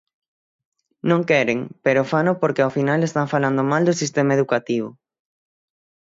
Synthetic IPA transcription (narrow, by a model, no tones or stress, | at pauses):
nõŋkɛɾeŋpeɾʊfanopoɾkeafinalest̪aɱfaland̪omald̪osist̪emaeðukat̪iβ̞ʊ